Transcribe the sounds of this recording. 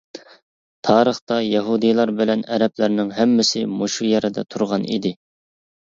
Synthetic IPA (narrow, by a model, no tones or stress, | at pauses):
t̪ʰɑːɾəχt̪ɑjɛɦud̪ijlˠɑɾbɪlɛnɛɾɛplɪɾnɪŋɦɛmːɪsɪmoʃujɛɾɪd̪ɛ̰t̪ʰuɾʁɑnḭd̪ɪ